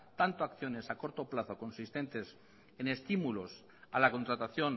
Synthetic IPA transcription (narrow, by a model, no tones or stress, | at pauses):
t̪ant̪oakθjo̞ne̞sako̞ɾt̪o̞plaθo̞ko̞nsist̪e̞nt̪e̞s | ene̞st̪imulo̞s | alako̞nt̪ɾat̪aθjo̞n